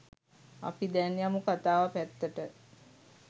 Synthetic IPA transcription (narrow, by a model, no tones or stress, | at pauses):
a̰pid̪ɛnjamukat̪aːʋapæt̪ːəʈə